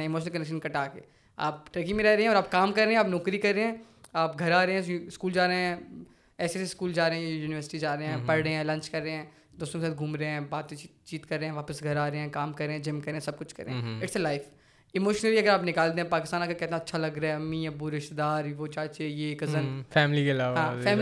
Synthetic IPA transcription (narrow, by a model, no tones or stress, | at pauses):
ɛ̃ɪmoːʃnəlkɐnɛkʃənkɐʈaːkḛː | a̰ːpʈɾəkimẽɾɛɦɾeɦɛ̃ɔːɾaːp̚kaːmkɐɾːeːɛ̃aːpnɔːkɾikɐɾːeɦɛ̃ː | aːp̚ɡʱɐɾaːɾeɦɛ̃ɪskuːld͡ʒaːɾeɛ̃ | ɛːseseskuːld͡ʒaːɾeɦɛ̃juːnɪʋəɾsɪ̥ʈid͡ʒaːɾeɦɛ̃pɐɾɽeɦɛ̃lɐ̃nt͡ʃkɐɾːeɦɛ̃ː | d̪oːst̪õkesaːt̪̚ɡʱuːmɾeɦɛ̃baːt̪et͡ʃiːt̪kɐɾːeːɦɛ̃ʋaːpəsɡʱɐɾaːɾeɦɛ̃ːkaːmkɐɾːẽɦɛ̃ːd͡ʒɪmkɐɾːẽɦɛ̃sɐb̚kʊt͡ʃʰkɐɾḛ̃ɛ̃ɪʈselaɪf | ɪmoːʃnəliɐɡəɾaːpnɪkaːld̪ẽɦɛ̃paːkɪst̪aːnaːkakɛːt̪ẽɐtːʃʰalɐɡɾaɛɐmːĩabʊɾɪʃt̪d̪aːɾʋot͡ʃaːt͡ʃejekɐənfɛːmlikelaːʋɦãːfɛːm